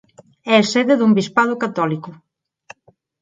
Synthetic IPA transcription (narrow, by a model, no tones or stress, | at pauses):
ɛeseðeðumbispað̞ʊkat̪ɔlikʊ